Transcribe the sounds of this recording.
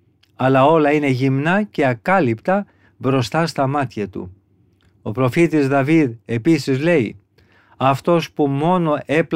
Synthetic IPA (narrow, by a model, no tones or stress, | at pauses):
ɐlɐo̞lɐine̞ʝimnɐce̞ɐkɐlipt̪ɐ | bɾo̞st̪ɐst̪ɐmɐt̪çɐt̪ṵ | o̞pɾo̞fit̪izðɐviðe̞pisizle̞i | ɐft̪o̞spumo̞no̞ʔe̞pl